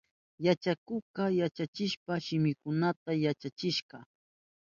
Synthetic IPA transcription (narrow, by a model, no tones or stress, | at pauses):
jat͡ʃakʊqɑjat͡ʃat͡ʃɪʃpaʃɪmɪkʊnat̪ajat͡ʃat͡ʃɪʃɢɑ